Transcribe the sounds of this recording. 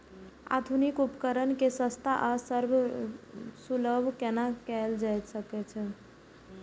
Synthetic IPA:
a̰d̪ʱunikupəkəɾənkesə̃st̪ʰaʔasəɾbʱ | suləbʱkenakɛld͡ʒajt̪səkɛt͡ʃʰɛ

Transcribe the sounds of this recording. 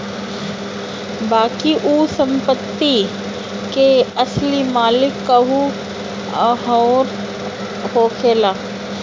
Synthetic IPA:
baːkiʔuːsə̃mpət̪ːi | keɐslimaːlɪkːɐɦu | ɦoːɾ | hoːkʰeːlaː

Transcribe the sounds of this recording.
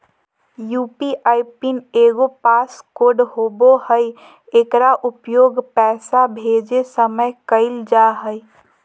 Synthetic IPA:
juːpiʔaɪpineːɡopaskoɖɦobohəj | eːkɾaʔʊpjoːɡpɛːsabʱed͡ʒesəməjkəɪld͡ʒaɦəɪ

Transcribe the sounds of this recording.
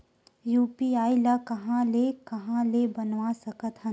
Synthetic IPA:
juːpiaːilakɐɦãlekɐɦãlebɐnʋasɐkət̪ɦə̃n

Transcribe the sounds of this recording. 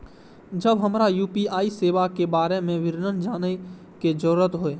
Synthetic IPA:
d͡ʒəbɦəmɾajuːpiaːiseːʋakebaːɾemẽʋɪɾnənd͡ʒaːnə | ked͡ʒəɾuɾət̪ɦoeː

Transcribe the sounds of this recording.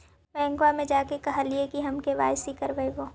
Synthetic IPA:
bɛ̃ːŋɡwamẽd͡ʒaːkekɐɦaliekiɦɐmkeʋa̰ːjsikɐɾʋəeʋoː

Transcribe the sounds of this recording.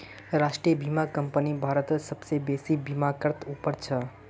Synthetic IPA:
ɾaʂʈɾijəbimakəmpənibʱaɾət̪səbsebesibimakəɾt̪upəɾt͡ʃʰə

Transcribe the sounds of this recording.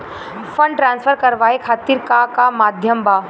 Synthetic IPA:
fʰə̃ɳɖʈɾãːnsfʰəɾkɐɾʋaːekʰaːt̪iːɾkakamaːd̪ʱjəmbaː

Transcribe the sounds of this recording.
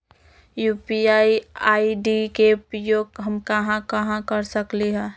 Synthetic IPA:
juːpiaːiaːiɖikepɾjoːɡɦəmkɐɦãkəɦãkəɾsəkliɦɛ̃ː

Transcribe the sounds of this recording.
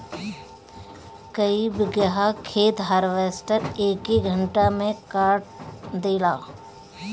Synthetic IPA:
kəiːbɡəɦakʰeːt̪ɦaːɾʋeːsʈəɾeːkiɡʱə̃ɳʈamẽkaːɾʈd̪eːlaː

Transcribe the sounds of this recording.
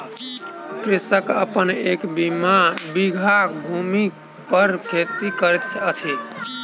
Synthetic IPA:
kɾisəkəpənekbimabiɡʱakbʱumi | pəɾkʰet̪ikəɾet̪ʰət͡ʃʰe

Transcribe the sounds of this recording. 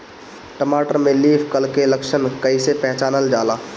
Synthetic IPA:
ʈəmaʈəɾmeliːpʰkəlkeləkʃənkəɪsepɛɦt͡ʃaːnəld͡ʒaːla

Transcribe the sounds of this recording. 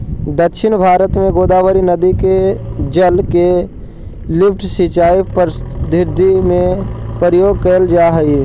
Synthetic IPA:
d̪əkʃʰɪnbʱaːɾət̪mẽɡoːd̪aːʋəɾinəd̪iked͡ʒəlke | lɪpʰʈsɪt͡ʃaːipəɾd̪ʱɪɾd̪ʱimẽpəɾəjoːɡ̚kəld͡ʒaːɦəi

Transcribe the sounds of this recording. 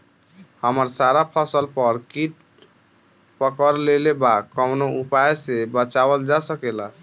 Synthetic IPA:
həməɾsaɾapʰəsəlpəɾkit | pəkəɾlelebakːəmnoupajsebət͡ʃabəld͡ʒasəkela

